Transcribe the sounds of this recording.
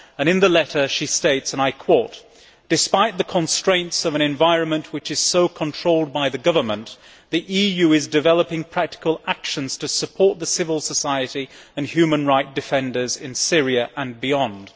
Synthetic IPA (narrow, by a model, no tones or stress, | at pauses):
ə̃ñɨ̃nðəlɛɾə˞ʃisteɪtsə̃naɪkʰw̥oʊt̚ | d̥ɨspaɪt̪̚ðɨkʰə̃nstɹ̥ẽɪ̃ntsʌvɨ̃ɾ̃ɨ̃ɱvaɪɹɨ̃nmɨ̃nʔwɨt͡ʃɨz̥soʊkʰə̃ntʰɹ̥oʊlˠd̚baɪðɨɡʌvə˞mə̰̃n | ðiʔijʉɪzdɨvɛlˠəpɪ̃ŋpʰɹ̥æk̚tɪ̥kəlˠækʃɨ̃nz̥tʰɨsəpʰɔɹt̪̚ðɨsɪvəl̩ˠsəsaɪɨɾi | ɨ̃nhjʉmə̃nɹaɪt̚d̥ɨfɛ̃ndə˞zɪ̰̃nsɪɹiɨʔə̃nbiɑ̃nd̥